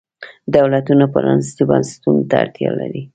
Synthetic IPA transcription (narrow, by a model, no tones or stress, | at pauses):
d̪awlat̪unapaɾɑnsit̪ibanse̥t̪unot̪aaɾt̪jɑlaɾi